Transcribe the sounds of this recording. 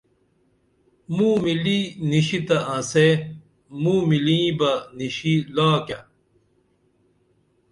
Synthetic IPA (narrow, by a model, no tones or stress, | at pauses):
mũːmiliniɕit̪ɐãːse | muːmilĩːbɐniɕilaːkjɐ